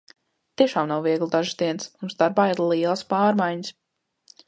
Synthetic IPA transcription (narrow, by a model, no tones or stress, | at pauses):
t̪iɛʃaːmnawviɛɡlˠd̪aʒɨsd̪iɛnsmunzd̪aɾbaːiɾlˠiɛlˠspaːɾmajɲəs